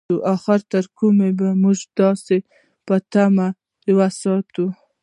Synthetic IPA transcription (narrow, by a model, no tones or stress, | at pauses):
uʔaxɪɾt̪əɾkumebamuʒd̪ɑse | pət̪ama | lwasɑt̪u